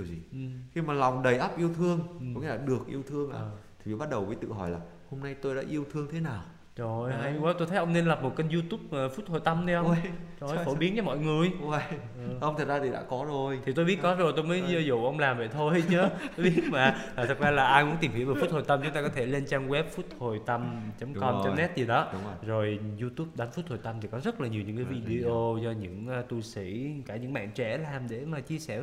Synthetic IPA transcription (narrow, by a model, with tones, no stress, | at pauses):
i˨əwzi˨˩ʔxi˧maː˨˩la˨˩wŋ͡mɗə˨˩jʔə˦˥p̚ʔi˧əwt̪ʰɨ˧əŋ̰˩˧ŋ͡mḭ˧˥laː˨˩ɗɨ˨˩ək̚ʔi˧əwt̪ʰɨ˧əŋʔa̰ː˧˨˩t̪ʰi˨˩vi˨˩ɓa˦˥t̚ɗə˨˩wvəː˨˦jt̪ɨ̰˧˨ɦɔ˧˩jlaː˨˩ | ho˧mna˧jt̪o˧jɗa̰ː˧˥ʔi˧əwt̪ʰɨ˧əŋt̪ʰe˨˦naː˨˩w | zo˨˩jha˧jwɛ˦˥t̪o˧jt̪ʰʔə˧wŋ͡mne˧nlə˨˩p̚mo˨˩t̚kə˧jzu˧t̪u˦˥p̚ːfu˦˥t̚hʰo˨˩jt̪ə˧mnʰi˧ʔə˧wt͡ɕo˨˩jfo˧˩ɓi˨˦ənt͡ɕɔ˧mɔ̰˧˨jŋɨ˨˩əjʔʔə˧ŋ͡mt̪ʰə˨˩t̚zaː˧t̪ʰi˨˩a̰ː˧˥kɔ˨˦zo˨˩jt̪ʰi˨˩t̪o˧jɓi˦˥ət̚kɔ˨˦zo˨˩jt̪o˧jməː˨˦jzə˧zṵ˧˩˨ʔə˧wŋ͡mlaː˨˩mvḛ˧˨jt̪ʰo˧jt͡ɕɨ˨˦t̪o˧jɓi˦˥ət̚maː˨˩aː˨˩t̪ʰɨ˨˩k̚zaː˧laː˨˩ʔaː˧jmṵ˧˥nt̪i˨˩mhi˧˩wveː˨˩fu˦˥t̚hʰo˨˩t̪ə˧mt͡ɕʊ˨˦ŋ͡mt̪aː˧kɔ˨˦t̪ʰe˧˩le˧nt͡ɕaː˧ŋɣwɛ˦˥p̚fu˦˥t̚hʰo˨˩jt̪ə˧mt͡ɕə˨˦mkɔ˧ʔi˧nt̪ə˧nɛ˦˥t̚zi˨˩ɗɔ˨˦zo˨˩jzu˧t̪u˦˥p̚ɗa˨˦nfu˦˥t̚t̪ʰo˨˩jt̪ə˧mt̪ʰi˨˩kɔ˨˦zə˦˥t̚laː˨˩ɲi˨˩wɲɨ̰˧˥ŋkaː˨˦vi˧ɗi˧ʔo˧zɔ˧ɲɨ̰˧˥ŋʔːt̪u˧sḭ˧˥kaː˧˩ɲɨ̰˧˥ŋɓa̰ː˧˨ŋt͡ɕɛ˧˩laː˨˩mɗe˧˩maː˨˩t͡ɕi˧əsɛ˧˩